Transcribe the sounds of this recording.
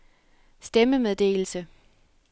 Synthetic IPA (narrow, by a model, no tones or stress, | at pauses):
sd̥eməmeð̞ˠd̥e̝̰ːl̩sə